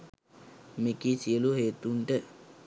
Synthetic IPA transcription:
mekisiəluɦeːt̪uɳʈə

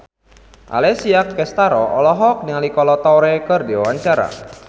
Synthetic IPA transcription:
ʔa̰lɛsiakːɛst̪aɾɔʔɔlɔɦɔk̚niŋalikɔlɔt̪ɔɾɛkərdiwawaɲt͡ʃaɾa̰

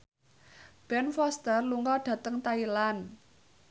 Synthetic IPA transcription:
b̥ɛnfɔst̪ərluŋɡɔɖ̥ä̤t̪əŋt̪ailan

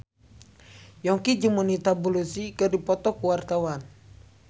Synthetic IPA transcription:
jɔŋkid͡ʒəmunit̪abulusikərdipɔt̪ɔkuwart̪awan

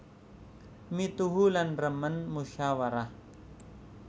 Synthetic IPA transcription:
mit̪uɦulanɾəmənmuɕawaɾa

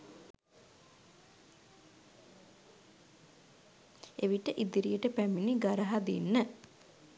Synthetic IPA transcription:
eʋiʈəʔid̪iɾijəʈəpæminiɡaɾəɦad̪inːə

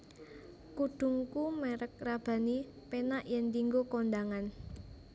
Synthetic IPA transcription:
kuɖ̪̥ṳŋkumeɾək̚rab̥a̤ni | penaʔjɛnd̪iŋɡokond̪aŋan

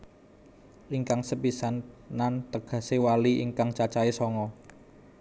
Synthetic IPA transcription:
ʔiŋkaŋsəpisannːant̪əɡ̥ä̤sewaliʔḭŋkaŋt͡ʃat͡ʃaesɔŋɔ

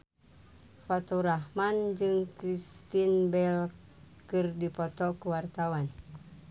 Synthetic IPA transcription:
pat̪ɔɾahmand͡ʒɨŋkɾist̪inbɛl | kɨrdipɔt̪ɔkuwart̪awan

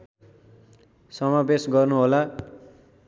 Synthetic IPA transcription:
sʌmabesɡʌrnuɦola

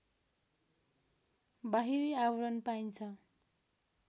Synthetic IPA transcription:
baɦiɾiawɾʌnpaint͡sʰʌ

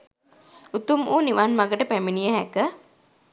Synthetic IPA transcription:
ut̪umʔuːniʋanmaɡəʈəpæminijəɦækə

